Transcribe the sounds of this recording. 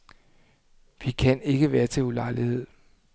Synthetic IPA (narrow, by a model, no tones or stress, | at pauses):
ʋikʰæne̝ɡ̥əʋæːɐt͡sʰe̝lulɑ̈ɪlihe̝ð̰ˠ